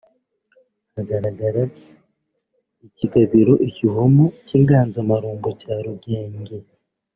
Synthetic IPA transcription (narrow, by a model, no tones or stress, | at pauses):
haɡaɾaɡaɾa | iciɡaβiɾo̞ʔiciɦomociːŋɡaːnzamaɾuːŋɡocaːɾuɡeːɲɟe